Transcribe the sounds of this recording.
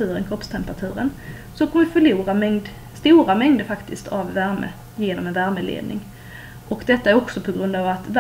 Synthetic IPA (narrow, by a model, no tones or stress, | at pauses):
ʉ̟ːɾənkʰɾɔpst̪ʰɛmpəɾat̪ʰʉ̟ːɾən | sɔkʰɔmvɪfœɭuːɾamɛŋd̪ | st̪uːɾamɛŋd̪əɾfakt̪ɪst̪ʰavːæɾmə̰ | jeːnɔmɛnvæɾməlḛːd̪nɪ̰ŋ | ʔɔkd̪ɛt̪ːaæɾɔksɔpʰɔɡɾɵnd̪avat̪v